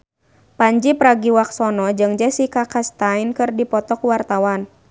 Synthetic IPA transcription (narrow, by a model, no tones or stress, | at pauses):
paɲd͡ʒipɾaɡiwak̚sɔnɔd͡ʒɨŋd͡ʒɛsikakast̪ainkɨrdipɔt̪ɔkuwart̪awan